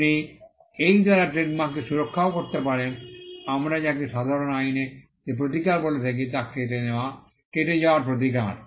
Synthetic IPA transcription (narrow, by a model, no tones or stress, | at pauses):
ni | ejd̪aɾaʈɾeʈmakːeʃuɾokʰːaokoɾt̪epaɾenamɾad͡ʑakeʃad̪ʱaɾonajne | d͡ʑep̬ɾot̪̬ikaɾbolet̪ʰek̬et̪akːeʈeneoa | keʈed͡ʑaoaɾp̬ɾot̪̬ika̰ɾ